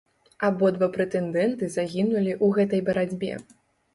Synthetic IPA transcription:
abɔd̪vapɾɛt̪ɛnd̪ɛnt̪ɨzaɣʲinulʲiʔuɣɛt̪ɐjbɐɾad͡zʲbʲɛ̰

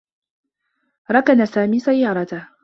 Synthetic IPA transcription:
ɾˤɑkanasaːmiːsajːɑːɾˤɑt̪a

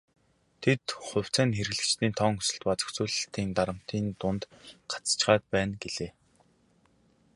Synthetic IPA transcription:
t̪ʰet̪χʊ̟w̥ʲt͡sʰæːnxeɾ̆ɣɮɘ̆kt͡ɕt̪iːnt̪ʰɔŋɵ̥sɵ̆ɬt̪pat͡sɵ̥̆xt͡suːɮ̆ɬt̪ʰiːnt̪aɾə̆m̥t̪iːnt̪ʊnt̪ɢḁt͡st͡ɕχaːt̪̚pæːnɡeɮeː

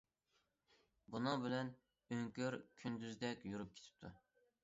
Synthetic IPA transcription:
bunɨbɪlɛn | øŋkʲøɾkʲʰynd̪yzd̪ɛkʲjuɾup̚kʰʲe̥t̪ʰɪ̥p̚t̪ʰu

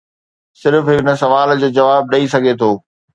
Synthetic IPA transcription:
sɪɾfɦɪknə̆sɐʋaːld͡ʑoːd͡ʑɐʋaːb̚ɗɐisɐɡʱet̪ʰoː

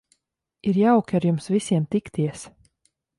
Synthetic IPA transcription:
iɾjawkʲaɾjumsvisʲiɛmt̪ikt̪iɛs

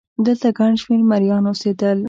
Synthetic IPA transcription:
d̪əlt̪aɡaɳʃmeɾmaɾjɑnosed̪əl

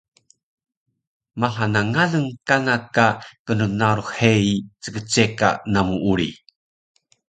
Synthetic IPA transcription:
maɦanaŋanəŋkanakakənunaɾuheit͡səɡət͡seka̰namuʔuɾi

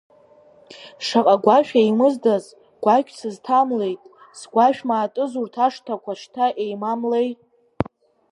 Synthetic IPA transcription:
ʂaqʼaɡʷaʃᶣajmɨzdaz | ɡ̥ʷakʲʷʰʼsɨztʰamle̞jtʼ | sɡʷaʃᶣmaːtʼɨzurtʰaʂtʰakʷaʂtʰaʔejmamle̞jtʼ

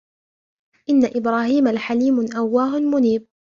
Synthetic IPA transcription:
ʔɪnːaʔɪbɾaːɦiːmalħaliːmʔawːaːɦʊmʊniːb̚

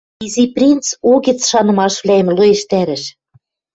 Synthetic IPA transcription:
iziprʲint͡soɣĕt͡sʃɑnɤ̆mɑʃβlʲæemlueʃt̪æɾɘ̆ʃ

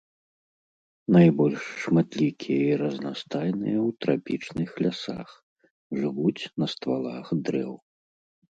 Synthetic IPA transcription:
najbɔlʲʂːmat̪lʲikʲijɐiɾɐzna̰st̪ajnɨjɐwt̪ɾapʲit͡ʂnɨxlʲasa̰x | ʐɨvut͡sʲnɐst̪valˠaxd̪ɾɛ̰w

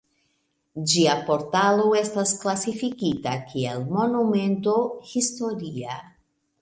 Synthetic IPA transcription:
d͡ʒiapo̞ɾtalo̞e̞stasklasifikitakʰie̞lmo̞nume̞nto̞histo̞ɾia

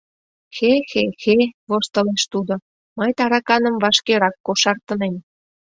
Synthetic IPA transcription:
xexexeβost̪ə̆leʃt̪ud̪o | mɑjt̪ɑɾɑkɑnə̆mvɑʃkeɾɑkːoʃɑrt̪ənem

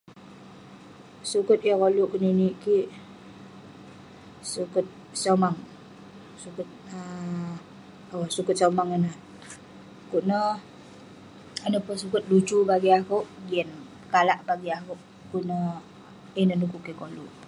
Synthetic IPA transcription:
sukət̪̚əkoluʔkuniniʔkiʔ | sukət̪̚ | somaŋ | sukət̪̚ə | awsukət̪̚somaŋənə | kuʔnə | anəpəsukət̪̚lut͡ʃubaɡiakuʔɡiən | kalaʔbaɡiakuʔ | kuʔnə | inənukuʔkikolṵʔ

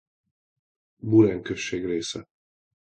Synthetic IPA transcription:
bulɛŋkøʃːeːɡreːsɛ

